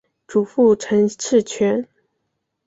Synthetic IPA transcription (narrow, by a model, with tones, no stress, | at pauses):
ʈ͡ʂu˨˩fu˥˩ʈ͡ʂʰə˧˥ŋʈ͡ʂʰɻ̩˥˩t͡ɕʰɥɛ˧˥n